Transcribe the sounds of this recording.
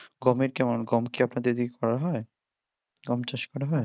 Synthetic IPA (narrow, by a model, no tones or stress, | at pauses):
ɡɔmeɾkɛmonɡɔmkiapnad̪eɾed̪ikekɔɾaɦɔe | ɡɔmt͡ɕaʃkɔɾaɦɔe